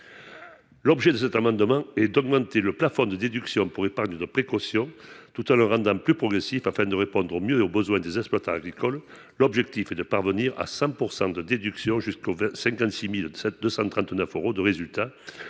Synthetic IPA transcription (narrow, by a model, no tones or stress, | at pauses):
lɔbʒed̪əsɛt̪amɑ̃nd̪əmɑ̃ɛd̪ɔɡmɑ̃t̪eləplafɔ̃d̪əd̪ed̪yksjɔ̃puʁepaʁɲed̪əpχekɔsjɔ̃t̪ut̪ɑ̃ləʁɑ̃nd̪ɑ̃plypχɔɡʁesifafɛ̃d̪əʁepɔ̃d̪ʁomjøobəzwɛ̃d̪ezɛspwat̪aaɡʁikɔl | lɔbʒɛk̚t̪ifɛd̪əpaʁvəniʁa̰sɑ̃puʁsɑ̃d̪əd̪ed̪yksjɔ̃ʒyskovɛ̃sɛ̃ŋkɑ̃nt̪similsɛd̪øsɑ̃t̪χɑ̃nt̪nœføʁod̪əʁezylt̪a